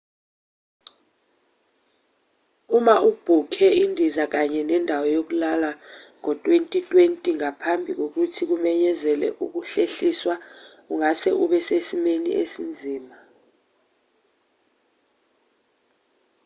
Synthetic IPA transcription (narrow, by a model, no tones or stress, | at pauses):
umaub̥ʱukʰɛindʱizak̬aɲɛnɛndʱawɔjok̬ulalaŋɔtʼwentʼitʼwentʼiŋapʰambʱik̬ok̬utʰik̬umɛɲɛzɛlɛ̰ʔuk̬uɬeɬiswa | uŋasɛʔuɓɛsesimenḭʔesind͡zʱiːma